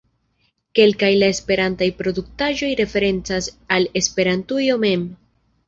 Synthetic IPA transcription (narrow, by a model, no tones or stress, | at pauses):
ke̞lkajlae̞spe̞ɾantajpɾo̞duk̚taʒo̞jɾe̞fe̞ɾe̞nt͡sasale̞spe̞ɾantujo̞me̞m